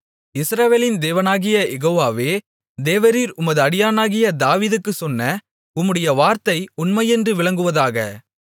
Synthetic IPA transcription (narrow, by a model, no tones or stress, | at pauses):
ɪsɾɐʋeːlɪnd̪eːʋɐnaːɣɪjɐʔɛɣoːʋaːʋeː | d̪eːʋɐɾiːɾʊmɐðɯɐɽɪjaːnaːɣɪjɐd̪aːʋiːðɯkːɯsɔnːɐ | ʊmːɯɽɐjɐʋaːɾt̪ɐɪʊnmɐɪɛndrɯʋɪɭɐŋɡɯʋɐðaːɣɐ̰